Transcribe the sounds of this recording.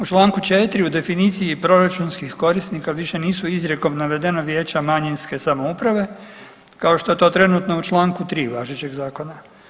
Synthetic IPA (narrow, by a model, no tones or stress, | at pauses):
ut͡ʃlˠaːŋkut͡ʃet̪ɾiud̪e̞finiːt̪sijipɾo̞ɾat͡ʃunskixko̞ɾisnikaʋiʃe̞niːsuizɾeko̞mnaʋe̞d̪enoʋje̞ːt͡ɕamaɲinske̞samo̞upɾaʋe̞ | kao̞ʃt̪oe̞t̪o̞ːt̪ɾe̞nut̪no̞ut͡ʃlˠaːŋkut̪ɾiːʋaːʒet͡ɕe̞ɡzaːko̞na